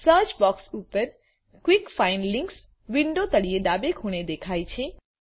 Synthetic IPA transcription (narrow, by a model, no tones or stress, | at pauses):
sət͡ʃbɔksupəɾ | kʋikfainlĩŋks | ʋiɳɖot̪əɽijeɖabekʰuɽ̃ed̪ekʰajt͡ʃʰẽ